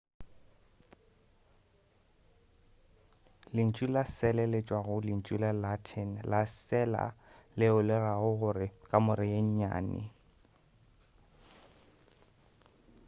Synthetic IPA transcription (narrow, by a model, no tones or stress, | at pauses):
lɪn̩t͡ʃʼulasɛlɛlet͡ʃʼwaɣʊlɪn̩t͡ʃʼulalatʰɛnlasɛla̰lɪʊlɪraɣʊɣʊrɪkʼamʊɾɪjeɲ̩ɲa̰ːnɪ̰